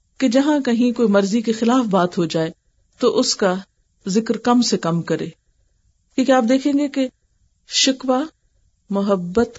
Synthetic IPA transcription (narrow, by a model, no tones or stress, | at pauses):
ked͡ʒɐɦãkɐɦĩkoːimɐɾzikexɪlaːfbaːt̪ɦod͡ʒaːe | t̪oʔʊska | zɪkɾkɐmsekɐmkɐɾeː | kĩːkeaːp̚d̪eːkʰẽːŋɡeke | ʃɪkʋa | mʊɦəbːət̪